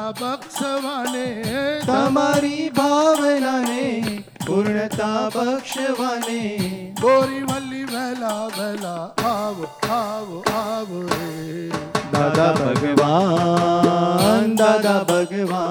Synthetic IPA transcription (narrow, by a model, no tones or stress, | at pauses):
bɐkʂəʋanet̪ɐmaɾibʱaʋənane | puɾɳət̪abɐkʂəʋaːne | boɾiʋalːiʋɛɦlaʋɛɦlaaʋaʋaʋəe | d̪aːd̪abʱɐɡʋa | nd̪ad̪abʱɐɡəʋa